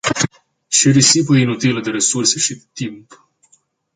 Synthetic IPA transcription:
ʃiɾisip̬əinut̪iləd̪eɾesurseʃid̪t̪imp

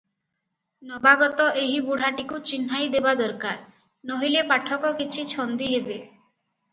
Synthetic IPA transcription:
nɔbaɡɔt̪ɔʔeɦibuɽ̤aʈikut͡ʃinɦajd̪ebad̪ɔɾkaɾ | noɦilepaʈʰɔkɔkit͡ʃʰit͡ʃʰɔnd̪iɦebe

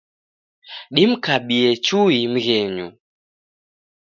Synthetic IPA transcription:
ɗim̩kaɓiɛt͡ʃuim̩ɣɛɲṵ

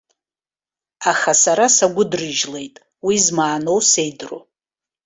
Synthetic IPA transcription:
aχasaɾasaɡʷʊdrɨʒle̞jtʼ | wizmaːno̞wse̞jdro̰

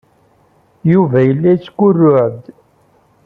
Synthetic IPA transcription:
juvæjəlːæt͡sːkʷːʊrːʊʕd̪

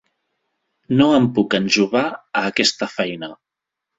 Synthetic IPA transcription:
noəmpukənʒuβaəːkɛst̪əfɛjnə

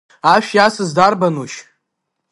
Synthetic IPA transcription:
aʃᶣjasɨzdarbanuʃ

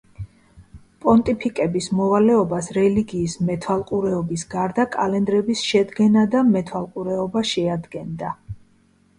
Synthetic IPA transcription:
pʼɔnt̪ʼipʰikʼɛbismɔvalɛɔbasɾɛliɡiːsmɛt̪ʰwalˠqʼuɾɛɔbisɡaɾd̪akʼalɛnd̪ɾɛbisʃɛd̪ɡɛnad̪amɛt̪ʰwalˠqʼuɾɛɔbaʃɛad̪ɡɛnd̪a

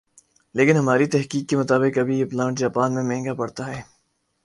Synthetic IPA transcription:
leːkɪnɦɐmaːɾit̪ɛɦkiːkːemʊt̪aːbɪkɐbʱiɪplãːɳʈ̚d͡ʒaːpaːnmẽmɛɦŋɡapɐɽt̪aɦɛː

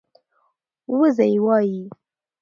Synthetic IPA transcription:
wəzajwɑji

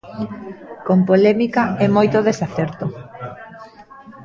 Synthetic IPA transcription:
kompolɛmikaɛmojt̪oðesaθɛɾt̪o

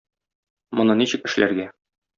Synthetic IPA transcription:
mŏnɤniɕɘ̆kɘ̆ʃlʔæ̰ɾɡæ

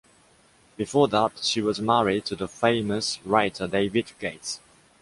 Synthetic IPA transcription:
b̥ɨfɔːðətʃiwɒzmaɹɪd̚tʰəðəfẽɪməsɹaɪtʰədeɪvɪdɡ̥eɪt

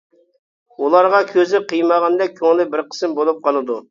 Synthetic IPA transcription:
ulˠɑɾʁɑkʲʰøzɪqʰijmɑʁɑnd̪ɛk̚ʲkʲʰoŋlˠɪbɪɾqʰə̥smbolˠup̚qʰɑnˠɨd̪u

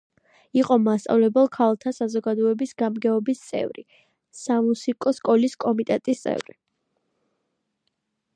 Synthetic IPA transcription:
iqʼɔmast̪sʼa̰vlɛbɛlˠkʰalˠt̪ʰasazɔɡad̪ɔɛbisɡamɡɛɔbist̪sʼɛ̰vɾḭ | samusikʼɔskʼɔliskʼɔmit̪ʼɛt̪ʼist̪sʼɛ̰vɾi

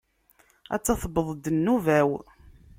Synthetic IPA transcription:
æ̰t͡sːɑθəbəðˤd̪ənːuvæw

